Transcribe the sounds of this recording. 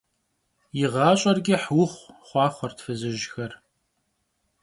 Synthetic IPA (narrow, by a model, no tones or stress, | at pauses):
jɪʁɑːɕʼɐrɡʲiħwʊχʷχʷɑːχʷɔrtfɨzɨʒxɐr